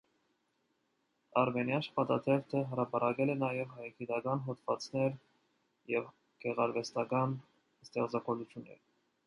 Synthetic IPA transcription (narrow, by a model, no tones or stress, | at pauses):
ɑɾmɛnjɑnʃə̥pɑt̪ɑt̪ʰɛvt̪ʰəɦəɾɑpɑɾɑkɛlɛnɑjɛvɦɑjɑkʰit̪ɑkɑnɦɔt̪vɑ̰t͡snɛɾ | jɛv | ɡ̥ɛʁɑɾvɛst̪ɑkɑn | st̪ɛχt͡sɑkɔlut͡sʰjunːɛ̰ɾ